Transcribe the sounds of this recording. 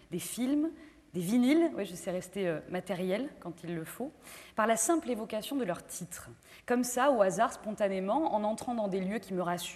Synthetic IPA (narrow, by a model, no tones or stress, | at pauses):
d̪efilm | d̪evinilwɛʒəsɛʁɛst̪eømat̪ɛʁjɛlkɑ̃t̪ʰilːəfopaʁlasɛ̃plevɔkasjɔ̃d̪əlœʁt̪ʰit̪χ | kɔmsaoazaʁspɔ̃t̪anemɑ̃ɑ̰̃nɑ̃t̪χɑ̃d̪ɑ̃d̪eljøkʲiməʁas